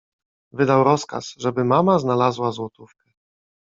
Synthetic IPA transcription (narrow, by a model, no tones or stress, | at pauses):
vɘd̪awɾɔska̰sʐɛbɘmamaznalazwazwɔt̪ufkɛ